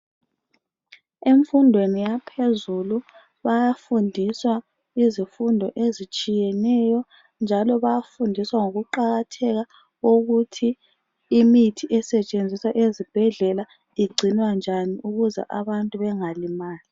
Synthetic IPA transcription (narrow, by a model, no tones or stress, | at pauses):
eɱfundʱwenijapʰezulu | βajafundʱiswa | izifundʱɔ̰ʔezit͡ʃʼijɛnɛjɔ | nd͡ʒʱalɔβajafundʱiswaŋoɣuǃaɣatʰɛɣa | oɣutʰiː | mitʰiʔɛsɛt͡ʃʼend͡zʱiswaʔezib̥ʱɛɮɛla | iɡ͡ǀʱinwand͡ʒʱaniʔuɣuzɛ̰ʔaβantʼuβɛŋalimaːli